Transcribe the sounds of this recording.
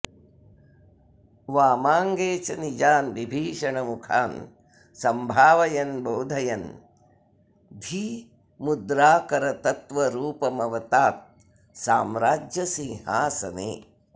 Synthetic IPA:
ʋaːmaːŋɡeːt͡ʃɐnid͡ʒaːnʋibʱiːʂɐɳɐmukʰaːn | sɐmbʱaːʋɐjɐnboːd̪ʱɐjɐn | d̪ʱi | mud̪ɾaːkɐɾɐt̪ɐt̪ʋɐɾuːpɐmɐʋɐt̪aːt̪̚ | saːmɾaːd͡ʒjɐsĩːhaːsɐnḛː

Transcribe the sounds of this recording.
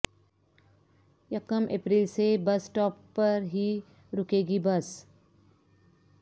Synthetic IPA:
jɐkəmʔḛːpɾiːlsebɐsʈɔːpːɐɾɦi | ɾʊkeːɡibɐs

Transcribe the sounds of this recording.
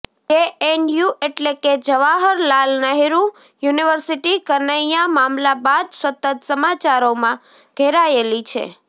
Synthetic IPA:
ɖeenjuʔeʈleked͡ʒəʋaɦəɾlalnəɦiɾũ | juniʋəɾsiʈikəɾnəjamamlabad̪sət̪ət̪səmat͡ʃaɾomã | ɡ̥ʱeɾaelit͡ʃʰḛ

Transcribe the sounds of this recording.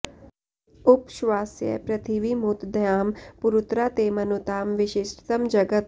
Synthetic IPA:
ʊpʃʋaːsjə̰pɾɐt̪ʰiʋimut̪d̪jaːmpuɾut̪ɾaːt̪eːmɐnut̪aːmʋɪʃɪsʈʰt̪əmd͡ʒɐɡət̪

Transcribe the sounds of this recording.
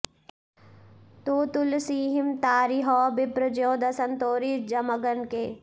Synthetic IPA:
t̪oːt̪ulsiːɦimt̪aːɾiɦɔːbɪpɾəd͡ʒjoːd̪ɐsɐnt̪oːɾiːd͡ʒɐmɐɡɐnkeː

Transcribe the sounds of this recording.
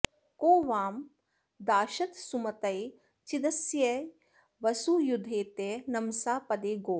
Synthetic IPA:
koːʋaːm | d̪aːʃɐt̪sumɐt̪ɐj | t͡ʃid̪ɐsjɐ | ʋɐsujud̪ʱeːt̪enɐmsaːpɐd̪eːɡoː

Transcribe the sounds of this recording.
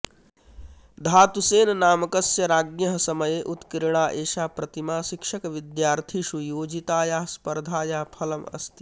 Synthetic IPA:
d̪ʱaːt̪useːnnaːmɐkɐsjɐɾaːɡjɐɦsɐmɐjeʔut̪kiɾɽ̃aːʔeːʃaːpɾɐt̪imaːʃikʃɐkʋid̪jaːɾt̪ʰisujoːd͡ʒit̪aːjaɦspɐɾd̪ʱaːjaɦpʰɐlɐmɐ̰st̪i̥

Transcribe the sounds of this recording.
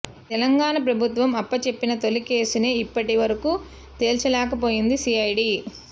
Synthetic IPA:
t̪ɛlɐŋɡaːɳɐp̬ɾɐbʱut̪ʋɐmɐpːɐt͡ʃe̞pːinɐt̪o̞like̞ːsune̞ːipːɐʈiʋɐɾɐkuː | t̪e̞ːlt͡ʃulɛːkɐp̬o̞ːjind̪isiːɐjɖi

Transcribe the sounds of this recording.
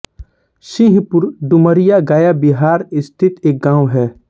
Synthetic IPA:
ʃĩɦipʊɾɖʊməɾijaɡaːjabiɦaːɾɪst̪ʰɪt̪eːk̚ɡãːwɦɛː

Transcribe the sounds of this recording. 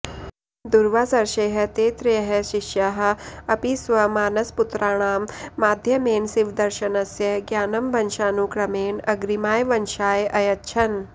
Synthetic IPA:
d̪uɾʋaːsɐɾʃeːɦɐ̆t̪eːt̪ɾɐjɐɦɐʃiʃjaːɦɐ̆ɐpisʋɐmaːnɐsput̪ɾaːɳ̃aːmːaːd̪ʱjɐmeːnsiʋd̪ɐɾʃɐnɐsjɐɡjaːnɐmbʱɐnʃaːnuːkɾɐmeːnɐɡɾimaːjʋɐnʃaːjʔɐjɐt̪ʃʰɐn

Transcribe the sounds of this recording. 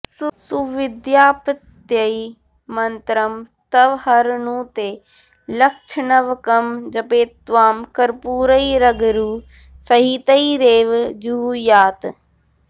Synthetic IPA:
ssuʋɪd̪jaːpət̪jɐi | mɐnt̪ɾɐm | t̪ɐʋhɐɾnũːt̪eː | lɐkʃʰnɐʋkɐmd͡ʒɐpeːt̪ʋaːmkɐɾpuːɾəiɾɐɡɾuː | sɐɦit̪ɐiɾeːʋd͡ʒuːjaːt̪

